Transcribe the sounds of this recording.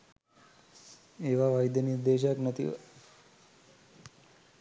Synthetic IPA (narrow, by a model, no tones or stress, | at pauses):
eːʋaʋajd̪jəniɾd̪eːʃjaknət̪ḭʋə̰